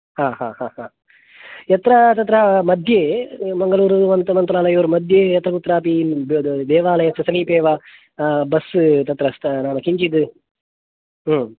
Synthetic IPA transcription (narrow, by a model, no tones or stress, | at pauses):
haːɦaːhaːhaː | ɛt̪ɾɐt̪ɐt̪ːɾɐmɐd̪ʱjeːmɐŋɡɐluːɾuʋɐnt̪ɐmɐnt̪ɾaːlɐjoːɾumɐd̪ʱjejɐt̪ːɾɐkut̪ːɾaːpibd̪ɛːʋaːlɐjɐsɐsɐɡipeːʋɐ | bɐst̪ɐt̪ɾɐst̪ɐnaːnɐkiɲt͡ʃid̪ɨ